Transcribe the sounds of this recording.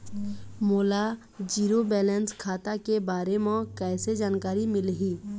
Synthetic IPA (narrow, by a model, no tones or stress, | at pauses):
moːla | d͡ʒiːɾobɛːlɛnskʰaːt̪akebaːɾemẽkɛːsed͡ʒaːnkaːɾimɪlɦiː